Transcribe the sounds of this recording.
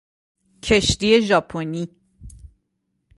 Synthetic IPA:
cʰeʃt̪ie̞ʒɒːpʰoni

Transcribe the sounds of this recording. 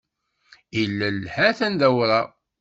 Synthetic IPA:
ilːælhæθænðæwɾˤɑ

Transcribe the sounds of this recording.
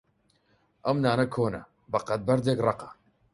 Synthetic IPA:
ʔɐmnaːnɐkʰoːnɐ̰ | bɐqɐt̪̚bɐɾd̪eːkrˤɑqɐ̥

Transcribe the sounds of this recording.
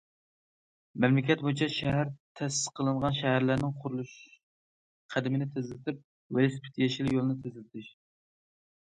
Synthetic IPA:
mɛmlɪkʲɛt̪̚bojit͡ʃʰɛʃɛɦæɾt̪ʰɛsɪ̥sqʰəlˠɨɴʁɑnʃæɦæɾlæɾnɪŋqʰʊɾulˠuʃ | qʰæd̪ɪmɪnɪt̪ʰɪzɪlɪt̪ʰɪp̚ | welspʰɪ̥t̪ʰjɛʃilɪjolˠɨnɪt̪ʰɪzɪlɪt̪ʰɪʃ

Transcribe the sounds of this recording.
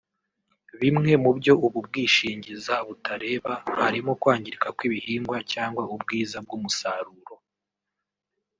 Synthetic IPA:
βimŋe̞mubjo̞uβub̚ɡiːʃiːɲɟizaβutʰaɾe̞ːβahaɾimokwaːɲɟiɾikakwiβihiːŋɡwacaːŋɡwaub̚ɡiːzab̚ɡumusaɾuːɾo̞

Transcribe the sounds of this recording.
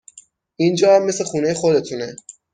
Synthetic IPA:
ʔind͡ʒɒːamːe̞slexuːnejexod̪e̞t̪ʰune

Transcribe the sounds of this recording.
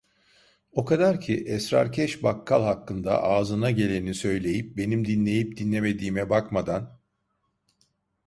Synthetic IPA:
o̞kʰad̪aɾcʰiʔɛsɾa̰ɾcʰɛʃbakʰːalˠhakːɯnd̪a̰ʔaːzɯnaɟe̞lʲe̞nisø̞jlʲe̞jip̚be̞nimd̪inlʲe̞jip̚d̪inlʲeme̞d̪iːmɛbakmad̪an

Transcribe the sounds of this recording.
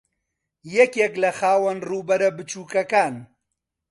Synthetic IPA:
jɛkjeklɐxaːwɐnruːbɐɾɐbɨt͡ʃuːkɐkaːn

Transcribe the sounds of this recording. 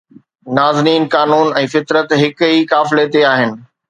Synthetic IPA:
naːzniːnkaːnuːnɛ̃ːfɪt̪ɾət̪ɦɪkɦiːkaːfɪlet̪eaːɦɪnɪ̆

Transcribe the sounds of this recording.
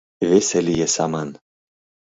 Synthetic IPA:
vʲeselʲijesɑmɑn

